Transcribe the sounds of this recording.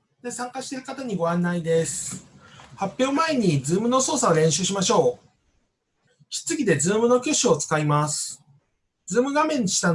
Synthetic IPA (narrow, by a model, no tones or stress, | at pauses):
d̪esãŋkaɕi̥t̪e̞ɾɯ̟kat̪aɲ̟iɡo̞βãnːaid̪e̞sɨ̥ | hapʲjo̞ːmae̞ɲ̟id͡zɨːmɯ̟no̞so̞ːsaoɾẽ̞ɕɨːɕimaɕo̞ː | ɕi̥t͡sɨɡʲid̪e̞zɨːmɯ̟no̞kʲoɕiot͡sɨ̥kaimasɨ̥ | d͡zɨːmɯ̟ɡamẽ̞ɲ̟ːiɕi̥t̪an